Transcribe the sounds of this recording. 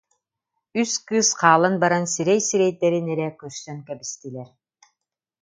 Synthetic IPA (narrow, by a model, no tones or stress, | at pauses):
yskɯsqaːlˠanbaɾansiɾɛjsiɾɛjd̪ɛɾinɛɾɛkœɾsœŋkɛbist̪ilʲɛɾ